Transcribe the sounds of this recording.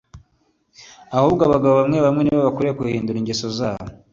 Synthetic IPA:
ahuːβɡaβaɡaβoβamŋeβamŋe̞niβaβakuɾekuhiːnduɾiɲɟesozaːβo

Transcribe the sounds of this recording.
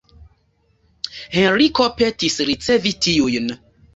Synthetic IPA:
hẽnɾikopetisɾit͡sevitiujn

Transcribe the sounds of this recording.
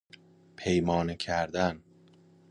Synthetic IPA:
pʰejmɒːnecʰæɾd̪æn

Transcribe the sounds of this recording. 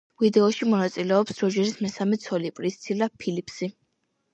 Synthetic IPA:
vid̪ɛɔʃimɔnat̪sʼilɛɔpsd̪ɾɔd͡ʒɛɾismɛsamɛt̪sʰɔlipʼɾist̪sʰilapʰilipʰsi

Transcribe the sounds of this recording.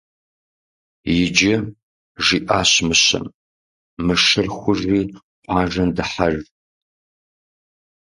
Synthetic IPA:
jɪd͡ʒɐ | ʐiːʔaːɕmɨɕɐ̰n | mɨʂɨrxʷʊʐːiː | qʷʼʰɑːʐɐndɨħar

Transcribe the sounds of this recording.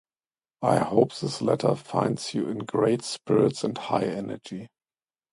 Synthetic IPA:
ʔaɪhoʊpðɪslɛ̰tʰə˞fã̰ɪ̃ndsjṵɪ̃nɡɹeɪtspɪɹɪtsɛ̃ntha̰ɪɛnə̰˞d͡ʒi

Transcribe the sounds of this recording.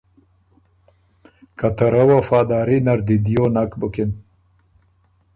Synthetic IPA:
kɐt̪ɐɾɐwɐfaːd̪aːɾinɐɾd̪id̪ijoːnakbɨkin

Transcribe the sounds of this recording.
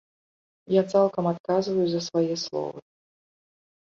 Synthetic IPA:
jat̪salˠkɐmat̪̚kazvɐjuzɐsvajɛslˠɔ̰vɨ̰

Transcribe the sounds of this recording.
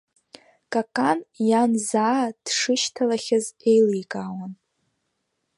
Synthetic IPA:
kʼakʼanjanzaːd̥ʂɨʃtʰalaχʲaze̞jlijkʼaːwan

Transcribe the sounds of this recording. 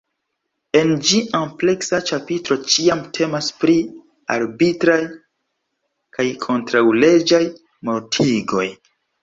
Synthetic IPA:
e̞nd͡ʒiample̞ksat͡ʃapitɾo̞t͡ʃiamtʰe̞maspɾi | a̰ɾbitɾaj | kajkʰo̞ntɾawle̞d͡ʒaj | mo̞ɾtʰiɡo̞j

